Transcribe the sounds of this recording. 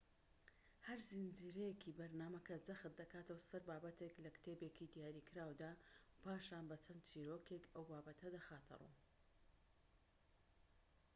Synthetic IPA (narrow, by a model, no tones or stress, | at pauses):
hɐɾzind͡ziːɾɛjekʰibɐɾnaːmɐkʰɐd͡zɐxɨt̪̚d̪ɐkaːt̪ɐwasɐɾbaːbɐt̪ʰeklɐkt̪ʰeːbekid̪ijaːɾikʰɨɾaːwd̪aːpʰaːʃaːnbɐt͡ʃʰɐnd̪̚t͡ʃiːɾoːkekɐwbaːbɐt̪ʰɐd̪ɐxaːt̪ʰɨ̰rṵ